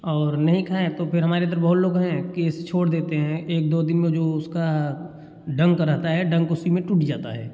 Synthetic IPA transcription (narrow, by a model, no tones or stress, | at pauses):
ɔːɾnɐɦĩkʰaːẽt̪opʰɪɾɦɐmaːɾẽd̪əɾbɐɦʊt̪loːɡɦɛ̃keːst͡ʃʰoːɽd̪eːt̪eɦɛ̃eːk̚d̪oːd̪ɪnmẽd͡ʒoːʊska | ɖɐ̃ŋɡkəɾəɦt̪aɦɛɖɐ̃ŋɡʊsimẽʈuʈid͡ʒaːt̪aɦɛː